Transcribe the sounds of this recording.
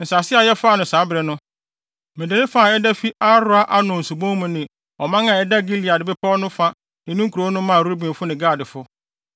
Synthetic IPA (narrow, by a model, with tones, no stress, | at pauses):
n̩˨sa˨sɪ˦a˨jɛ˦fa˦˨nʊ̃˨saː˨˦bɾɛ˨nʊ̃˦ | mɪ̃˨dɪ˨nɪ̃˦fa˨ɛ˦da˦fi˦ʔa˦ɾʊ˦a˦ʔa˦nʊ̃˨n̩˨su˨bõ˦ŋ˦mʊ̃˦nɪ̃˨ | ɔ˨mã˦ŋã˨ɛ˦da˦ɡi˦li˨a˨dɪ˨bɪ˦pʰɔ˦nʊ̃˦fa˦ | nɪ̃˨nũ˦ŋ˦kʰu˨ɾo˦nʊ̃˦mã˦˨ɾu˦ɾu˦bĩ˨fʊ˦nɪ̃˨ɡaː˦˨dɪ˨fʊ˦